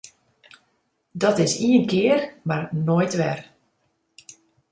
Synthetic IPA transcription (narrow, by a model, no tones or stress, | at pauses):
dɔtɪsiənkɪərmarnojtʋɛr